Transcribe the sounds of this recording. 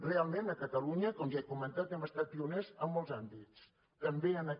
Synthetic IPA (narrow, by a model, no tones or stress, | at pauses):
realˠmenəkət̪əluɲəkɔmʒaekumənt̪at̪ɛməst̪at̪̚piunɛzəmːɔlˠzambit͡s | t̪əmbeənə